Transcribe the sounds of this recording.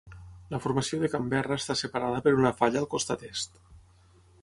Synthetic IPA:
ləfurməsioðəkambɛrəːst̪asəpəɾað̞əpəɾunəfaʎəːlˠkost̪at̪est̪

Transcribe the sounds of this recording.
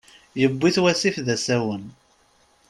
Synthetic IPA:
jəbːiθwæsifðæsæwən

